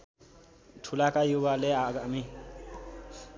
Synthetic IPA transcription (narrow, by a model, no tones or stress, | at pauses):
ʈʰulakajubaleaɡami